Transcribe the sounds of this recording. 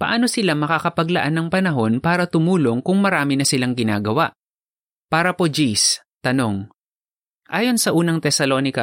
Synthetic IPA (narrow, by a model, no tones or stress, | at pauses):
pɐ̰ʔaːno̞sɪlamɐkakɐpɐɡlɐʔanːɐŋpɐnɐɦo̞npaːɾɐt̪ʊmuːlo̞ŋkʊŋmɐɾaːmɪnɐsɪlaŋɡɪna̰ːɡɐwaʔ | paːɾɐpo̞d͡ʒis | t̪ɐno̞ŋ | ʔaːjo̞nsɐʔuːnɐŋt̪ɛsɐlo̞ːnɪkɐ